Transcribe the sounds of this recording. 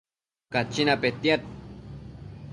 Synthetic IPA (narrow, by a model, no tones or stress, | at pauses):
kat͡ʃːinapet̪jat̪̚